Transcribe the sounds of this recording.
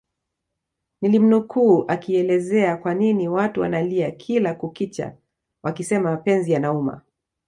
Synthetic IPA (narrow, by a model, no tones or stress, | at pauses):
nilim̩nukuːʔakiɛlɛzɛakwaniniwatuwa̰naliakʰilakukit͡ʃa̰ | wʔakisɛmamapɛnzijanauma̰